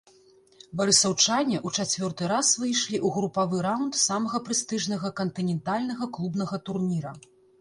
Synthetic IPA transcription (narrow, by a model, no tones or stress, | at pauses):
bɐɾɨsɐwt͡ʂanʲɛʔut͡ʂat͡sʲvʲɔrt̪ɨɾasvɨjʂlʲiʔuɣɾupavɨɾawnt̪samɐɣɐpɾɨst̪ɨʐnɐɣɐkɐnt̪ɨnʲɛnt̪alʲnɐɣɐklˠubnɐɣɐt̪urnʲiɾɐ